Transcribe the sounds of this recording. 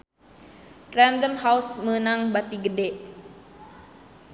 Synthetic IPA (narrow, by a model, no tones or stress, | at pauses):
randəmhausməənaŋbat̪iɡədɛʔ